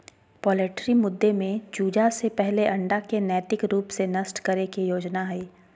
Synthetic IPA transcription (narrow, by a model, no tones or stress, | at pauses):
pɔːleːʈɾimʊd̪ːemẽd͡ʒuːd͡ʒasepɛɦleʔɐ̃ɳɖakenɛːt̪ɪkɾuːpsenɐsʈkɐɾekijoːd͡ʒnaɦɛiː